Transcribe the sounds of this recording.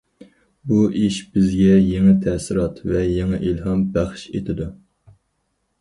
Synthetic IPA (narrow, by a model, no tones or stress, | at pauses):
buʔiʃb̥ɪzɡʲɛjeŋɨt̪ʰɛsɪɾɑt̪vɛjeŋɨʔilɦɑmbæχʃḛt̪ʰɪd̪u